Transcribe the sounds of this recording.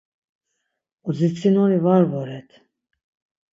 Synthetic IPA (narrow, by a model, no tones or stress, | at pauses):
uzit͡sʼinɔnivaɾvɔɾɛt̪ʰ